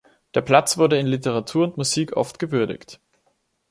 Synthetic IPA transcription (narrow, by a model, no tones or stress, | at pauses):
d̥eːɐpʰl̥at͡sv̥ʊɐɾəɪnlɪtəʁatʰuːɐʊntmuziːkʔɔ̰ftɡ̥əvʏɐdɪ̰çt